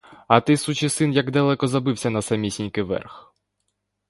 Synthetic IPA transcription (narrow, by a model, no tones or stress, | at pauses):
ɐt̪ɪsut͡ʃɪsɪnjɐɡd̪ɐlˠɛkɔzɐbɪwsʲɐnɐsɐmʲisʲinʲkɪʋɛ̰rx